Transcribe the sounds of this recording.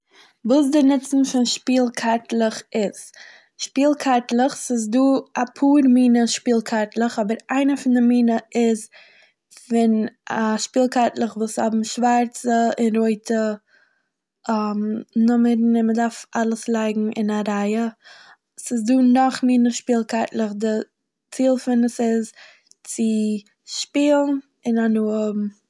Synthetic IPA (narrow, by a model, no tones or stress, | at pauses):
vuːs̬dɪnɪt͡sn̩fɪnʃpiːlˠkʰaɾtlˠəχɪz | ʃpiːlˠkʰaɾtlˠəχsɪs̬duːapʰuːɾmiːnəʃpiːlˠkʰaɾtlˠəχɔbəɾaɪnəfɪndɪmiːnəɪz | fɪnaʃpiːlˠkatlˠəχvuːshɔbm̩ʃvaɾt͡səɪnɾoɪtʰə | amnʊməɾn̩ɪnmədaɾfalˠəslˠaɪɡŋ̩ʔɪ̰naɾaɪə | sɪs̬duːnɔχmiːnəʃpiːlˠkaɾtlˠəχdɪ | t͡siːlˠfɪnəsɪz | t͡sɪ | ʃpiːlˠn | ɪnanuːəm